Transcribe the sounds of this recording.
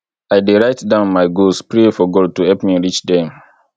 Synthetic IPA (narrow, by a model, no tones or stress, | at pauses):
aɪdeɹaɪtdãʊ̃nmaɪɡospɹefɔɡɔd̚tuhɛlpmiɹit͡ʃdɛ̃m